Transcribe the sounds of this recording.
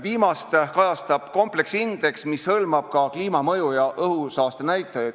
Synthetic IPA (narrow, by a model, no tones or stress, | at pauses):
viːmɑstt̪kɑjɑst̪ɑb̥ko̞mple̞ksind̪̥e̞ksmishɤlmɑb̥̚kɑkliːmɑmɤjujɑʔɤɦusɑːst̪enæjt̪ːˑɑjɑd̪̥